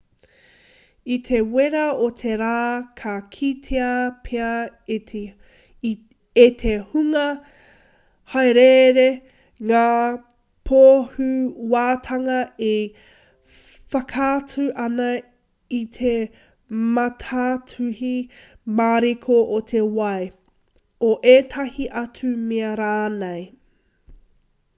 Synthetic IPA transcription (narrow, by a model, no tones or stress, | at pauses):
it̪ʰeweɾɐotʰeɾaːkʰɐkʰitʰeɐpʰeɐ | et̪ʰehuŋɐ | hɐjɾeɾe | ŋaː | pʰoːhʉwaːtʰɐŋɐe | fɐkʰatʰʉʔɐnɐ | itʰe | mɐtʰatʰʉhimaːɾekʰoʔotʰewɐj | oʔeːtʰɐhiʔɐt͡sʉmeɐɾaːnej